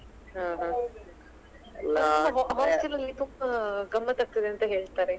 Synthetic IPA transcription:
ɦãːɦã | lːaɐɦɦaːst͡ʃɐlɐlit̪ʰukɡɐmːɐt̪ɐk̚t̪ɐd̪eɐnt̪ɐɦeːɭt̪aːɾe

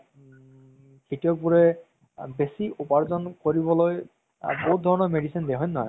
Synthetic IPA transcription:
kitiɔk̚buɹe | besiupaɹzɔnkoɹibɔloj | boɦut̪̚d̪ʱɔɹɔnɔmeɖisind̪eɦɔnːɔj

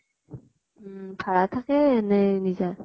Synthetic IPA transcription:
ɯpaɾatʰakenenid͡ʑa

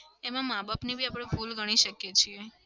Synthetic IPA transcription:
emãmabapnibʱiapɽ̃ebʱulɡəɽ̃iʃəkjet͡ʃʰie

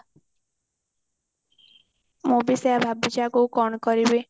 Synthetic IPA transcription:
mũbisɔjabʱabːit͡ʃakukɔɳɔkɔɾibe

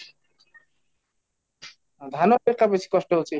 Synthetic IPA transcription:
d̪ʱanoeɾkapet͡ɕʰi̥kɔʃʈoɦolt͡ɕʰi

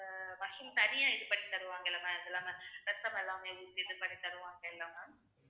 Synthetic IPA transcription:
ʋɐʂɯmt̪ɐnɪjaːɪðɯpɐɽit̪ːɐɾɯʋãːŋɡɐɛlːɐmaːɪðɛlːaːŋɐɾɛssɐmɛlːaːmeːuɾt̪ɪðɯpɐɽit̪ːɐɾɯʋãːŋɡɐɛlːaːmaː

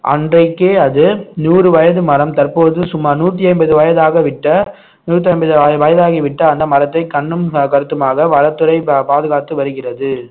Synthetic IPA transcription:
ʔɐ̰ndrɐɪkːeːɐðɯnuːɾɯʋɐjɐðɯmɐɾɐmt̪ɐrpoːðɯsʊmːaːɾnuːʈːiɐɪmbɐðɯʋɐjɐðaːɣɐʋɪʈːɐ | nuːrʈːiɐmbɐðɯʋɐjɐðaːɣiʋɪʈːɐːnd̪ɐmɐɾɐt̪ːɐɪkɐɳːɯmkɐɾɯt̪ːɯmaːɣɐʋɐɾɐt̪ːɯɾɐɪpaːðɯɣaːt̪ːɯʋɐɾɯɣɪrɐðɯ

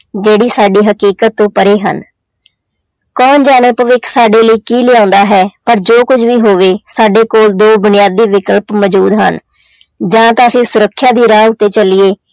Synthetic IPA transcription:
d͡ʒeːɽiːsaːɖiːɦəkiːkət̪ːõːpəɾeːɦə̰n | kɔːnd͡ʒaːneːpəʋɪksaːɖeːləiːkiːlɪːãːʊːnd̪aːɦɛːpəɾd͡ʒoːkʊd͡ʒʋiːɦoːʋeːsaːɖeːkoːld̪oːbʊnɪjaːd̪ːiːʋɪkəlpmɔd͡ʒuːd̪ɦə̰n | d͡ʒãːt̪ãːəsĩːsʊɾəkʰːjaːd̪iːɾaːʊt̪ːeːt͡ʃəlɪeː

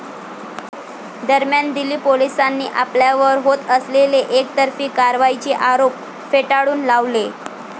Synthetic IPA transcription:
d̪əɾmjand̪iliːpolisanːḭːʔapljaʋəɾɦot̪əsleleʔekt̪əɾfiːkaɾʋait͡ɕeʔaɾop | feʈaɽuːnlaʋle

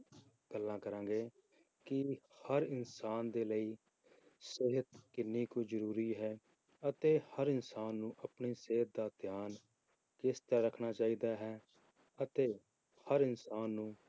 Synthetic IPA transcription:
ɡ̥əlːãːkəɾãːɡeː | kɪhəɾɪnsaːnd̪eːləiː | sɪɦət̪kɪnːiːkuːd͡ʒəɾuːɾiːɦɛː | ət̪eːhəɾɪnsaːnːũːʔəpɳiːseɦət̪̚d̪aːt̪jaːn | kɪst̪aːɾəkʰnaːt͡ʃaːiːd̪aːɦɛː | ət̪eː | həɾɪnsaːnːũː

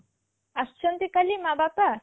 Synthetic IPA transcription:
ast͡ɕʰont̪ikalimabapa

